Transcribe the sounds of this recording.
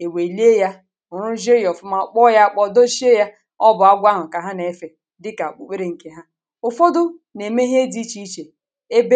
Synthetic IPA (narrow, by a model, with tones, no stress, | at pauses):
e˨we˨i˨li˦e˦ja˦ | ʊ˨ɾʊ˦ʒe˦jɔ˨fʊ˦ma˨k͡pɔ˦ja˦˨k͡pɔ˦do˦ʃi˦e˦ja˦ | ɔ˦bʊ˨a˦ɡʷa˦ɦʊ˨ka˨ɦa˦ne˨˦fe˨ | dɪ˦ka˨k͡pu˨k͡pe˦ɾe˨ŋ̩˨ke˦ɦa˦ | ʊ˨fɔ˦dʊ˦ne˨me˦ɦi˦e˦di˦t͡ʃi˦i˦t͡ʃe˨ | e˦be˦